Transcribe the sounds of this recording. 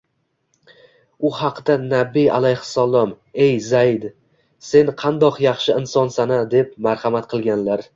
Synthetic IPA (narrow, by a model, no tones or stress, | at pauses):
ʊhɑqd̪anabːija̰lajhsalˠɒm | e̞jzaɪd̪ | se̞nqʰɑnd̪ɒqjɑχʃɪɪnsɒnsanad̪e̞p̚maɾhamat̪qʰɨlˠɡʲanlaɾ